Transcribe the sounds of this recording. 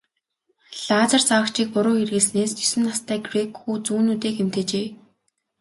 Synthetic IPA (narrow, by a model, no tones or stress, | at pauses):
ɮaːt͡sə̆rt͡sawə̆kt͡ɕʰiːk̚pʊɾʊːxerɣɘ̆ɮsneːst͡ɕisɘ̆nːast̪æːɡrekxuːt͡suːnuːt̪eːkem̥t̪ĕt͡ɕeː